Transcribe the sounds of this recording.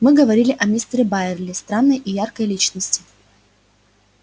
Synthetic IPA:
mɨɡəvɐɾʲilʲɪʔɐmʲist̪ɾʲɪbaɪrlʲɪst̪ɾanːəjʔɪjarkəjlʲit͡ɕnəsʲtʲɪ̥

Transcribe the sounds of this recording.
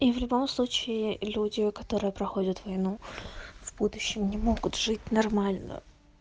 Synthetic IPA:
ivlʲʊbo̞mslˠut͡ɕɪɪlʲudʲɪkɐt̪o̞ɾɨjəpɾɐxo̞dʲət̪vɐjnuvbud̪ʊɕːɪmnʲɪmo̞ɡʊt̪ʐɨtʲnɐrmalʲnə̰

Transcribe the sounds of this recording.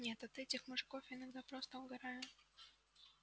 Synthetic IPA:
nʲet̪ɐt̪ɛtʲɪxmʊʐɨkofɪnɐɡd̪apɾost̪əʊɡɐɾajʊ

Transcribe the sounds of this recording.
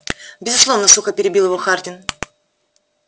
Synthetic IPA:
bʲɪzʊslˠo̞vnəsuxəpʲɪɾʲɪbʲilˠjɪvoxart̪ʲɪn

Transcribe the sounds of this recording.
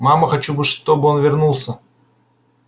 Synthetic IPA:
maməxɐt͡ɕubɨʂt̪obɨonvʲɪrnulˠsə

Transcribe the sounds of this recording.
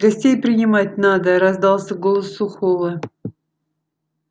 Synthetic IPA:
ɡɐsʲtʲejpɾʲɪnʲɪmatʲnad̪əɾɐzd̪ɑlˠsʲəɡolˠəsːʊxovˠə

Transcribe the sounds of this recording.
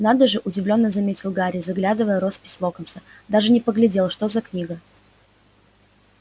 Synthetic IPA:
nad̪əʐɨʔʊdʲɪvlʲo̞nːəzɐmʲetʲɪlˠɡaɾʲɪzɐɡlʲad̪ɨvəjəɾo̞spʲɪ̥sʲlˠo̞kəmsəd̪aʐɨnʲɪpəɡlʲɪdʲe̞lˠʂt̪o̞zɐknʲiɡə

